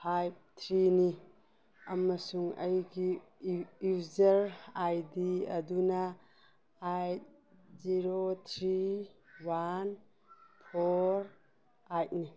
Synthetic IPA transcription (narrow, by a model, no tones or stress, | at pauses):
pʰajp̚t̪ʰɾini | ɐmɐsuŋɐjɡi | uzɐɾajdiɐ̰dunɐ | aj | ziɾot̪ʰɾiwan | pʰoɾ | ajt̚ni